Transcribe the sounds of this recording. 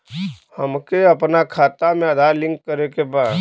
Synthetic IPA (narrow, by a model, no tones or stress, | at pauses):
hɐmkeɐpnakʰaːt̪amẽɐd̪ʱalɪ̃ŋkːəɾekebaːd̪